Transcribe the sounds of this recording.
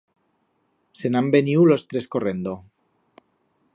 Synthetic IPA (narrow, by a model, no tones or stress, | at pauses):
senambeniulost̪ɾeskore̞nd̪o